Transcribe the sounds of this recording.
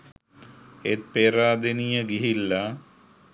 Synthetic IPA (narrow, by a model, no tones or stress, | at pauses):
et̪̚peːɾaːd̪enijəɡiɦilːa